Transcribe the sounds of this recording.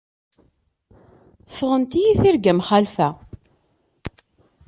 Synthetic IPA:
fəʁənt̪ijiθiɾɡæmχælfæ

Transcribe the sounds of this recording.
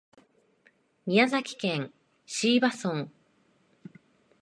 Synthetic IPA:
mʲiazakʲi̥kẽŋ | ɕiːbasõŋ

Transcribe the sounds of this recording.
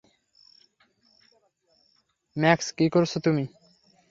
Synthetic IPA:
mɛkskikoɾt͡ɕʰot̪umi

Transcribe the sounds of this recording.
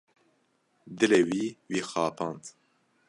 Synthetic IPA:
d̪ɨlewiːwiːxɑːpʰɑːnt̪

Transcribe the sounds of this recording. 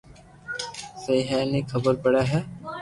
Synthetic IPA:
sɐiɦɛːnekʰɐbəɾpɐɽaɦɛː

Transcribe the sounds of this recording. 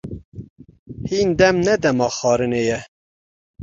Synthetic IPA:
hiːnd̪ɛmnɛd̪ɛmɑːxɑːɾɨnejɛ

